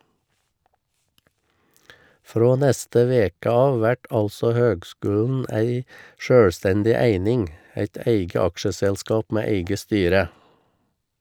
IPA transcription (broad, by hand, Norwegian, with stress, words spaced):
ˈfɾoː ˈnɛstə ˈʋeːkə ˈɑːʋ ˈʋæʈ ˈɑlsɔ ˈhøːɡˌskʉːln̩ ˈæɪ ˈʃøːɽˌstɛndɪ ˈæɪnɪŋ ˈæɪt ˈæɪɡə ˈɑkʃəsɛlˌskɑːp ˈmeː ˈæɪɡə ˈstyːɾə